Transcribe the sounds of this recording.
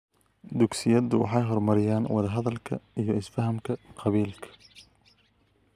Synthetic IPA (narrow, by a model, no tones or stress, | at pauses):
d̪ʊɡsɪjɐðʊwɑ̰ħɑjɦɔrmɐɾɪjaːnwɑðɐɦɐðɐlkʰɐ̰ijɞɪsfɐɦɐmkʰɐqʰɑβiːlkʰɐ̥